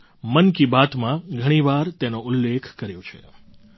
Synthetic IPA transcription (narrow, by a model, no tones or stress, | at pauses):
mənkibat̪mãɡʱəɽ̃iʋaɾt̪enoʊlːekʰkəɾjõt͡ʃʰḛ